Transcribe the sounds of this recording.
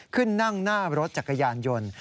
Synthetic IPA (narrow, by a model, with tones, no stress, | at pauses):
kʰɯ˥˩nːa˥˩ŋnaː˥˩ɾo˦˥t̪̚t͡ɕa˨˩ka˧jaː˧njo˧n